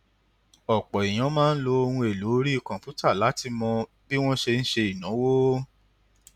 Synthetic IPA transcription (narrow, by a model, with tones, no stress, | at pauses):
ɔ˨k͡pɔ˨i˨j̃ã˨˦mãː˦n̩˦lo˧o˧hũ˧e˨lu˨˦ɾi˦i˦˨kɔ̃˨pu˦ta˦˨la˨˦ti˧mɔ̃˧ | bi˦w̃ɔ̃˦ʃe˧n̩˦ʃe˧i˨nã˨˦wo˦